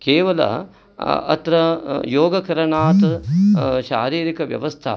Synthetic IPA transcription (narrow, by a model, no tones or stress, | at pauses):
keːʋɐlɐ̰ | ɐ̰t̪ɾɐjoːɡɐkɐɾɐɳaːt̪ | ʃa̰ːɾiːɾikɐʋjɐ̰ʋɐst̪ʰa̰